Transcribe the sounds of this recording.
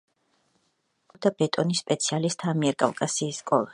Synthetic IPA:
ɔd̪abɛt̪ʼɔnisːpʼɛt̪sʰialist̪ʰamiɛɾkʼa̰vkʼasiːskʼɔlˠa

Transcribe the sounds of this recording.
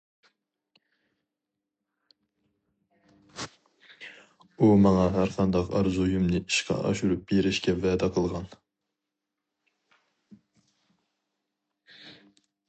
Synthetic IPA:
umɑŋɑɦæɾqʰɑnd̪ɑqɑ̰ɾzujumnɨʔi̥ʃqʰɑ̰ʔɑ̰ʃuɾup̚beɾɪʃkʲɛvɛːd̪ɛqʰəlˠʁɑn

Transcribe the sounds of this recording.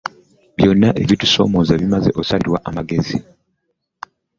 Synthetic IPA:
βjo̞nːaʔeβitu̥so̞̰ːmo̞ːzaβimaze̞ʔosaliɾwaʔamaɡe̞zi

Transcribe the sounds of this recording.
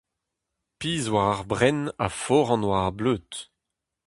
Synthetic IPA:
piːzwaʁaʁbʁɛnafɔʁɑ̃nwaːʁbløːt̪

